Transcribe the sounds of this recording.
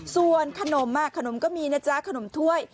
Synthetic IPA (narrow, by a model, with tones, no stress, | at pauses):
su˧ənkʰa˧no˩˦mːaː˥˩kʰːa˧no˨˩˦mkɔː˥˩miː˧naː˦˥˩t͡ɕa˦˥kʰa˧no˩˦mt̪ʰu˥˩əj